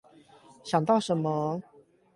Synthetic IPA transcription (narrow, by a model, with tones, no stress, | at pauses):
ɕjɑ˨˩ŋt̪ɑ˥˩ʊʂə˧˥˦nmə˦